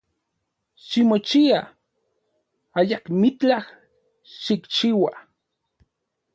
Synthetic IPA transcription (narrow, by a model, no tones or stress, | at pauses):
ʃimot͡ʃia | ajakmit͡ɬah | ʃikt͡ʃiwa